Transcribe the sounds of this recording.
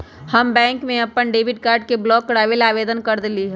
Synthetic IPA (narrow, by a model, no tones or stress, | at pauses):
hɐmbɛ̃ːŋkmẽɐpəɳɖeːbɪʈ̚kaːɾɖ̚keblɔːkːɾaːʋelaːʋeːd̪ənkɐɾd̪ɪliɦɛ